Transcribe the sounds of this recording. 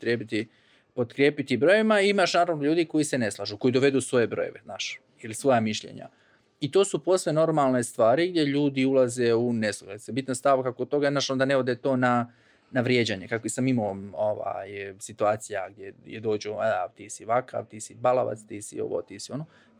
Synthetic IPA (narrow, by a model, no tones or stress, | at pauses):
t̪ɾjeːbit̪i | po̞t̪kɾjeːpit̪ibɾo̞jeʋimaiimaʃnaːɾaʋno̞ʎuːd̪iko̞jise̞ne̞slˠaːʒuko̞jid̪oʋe̞d̪usʋo̞je̞bɾo̞̰jeʋe̞znaːʃ | ilisʋo̞jamiʃʎḛɲa̰ | it̪o̞ːsupo̞sleno̞ɾmalˠne̞st̪ʋaːɾiɡd̪jeʎuːd̪iulˠaze̞unesluɡlesebit̪nast̪aʋkakod̪t̪o̞ɡanaʃond̪ane̞od̪e̞t̪o̞ːna | naʋɾjed͡ʑaɲe̞kakoisamimooʋa̰jsit̪uaːt̪sijaɡ̚d̪jejed̪o̞ːd͡ʑuadat̪iːsiʋaka̰ʋt̪iːsibalaʋa̰t̪st̪iːsio̞̰ʋo̰t̪iːsio̞no